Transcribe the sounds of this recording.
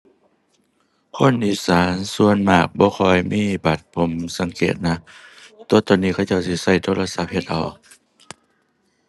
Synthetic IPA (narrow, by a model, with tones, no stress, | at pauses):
kʰo˧˥˨nʔiː˧˩saː˨˦nsu˧ənmaː˧˩k̚bɔː˧˦xʰɔː˧˩jmiː˧˥˨ba˨˩t̪̚pʰo˨˦msa˨˦ŋkeː˨˩t̪̚na˧˥t̪u˧ət̪ɔː˧˩nːiː˧kʰa˧˩wt͡ɕa˧˩wsi˧˩sa˧˩jt̪ʰoː˧˥˨la˧sa˧˥p̚he˧t̪̚ʔa˨˩w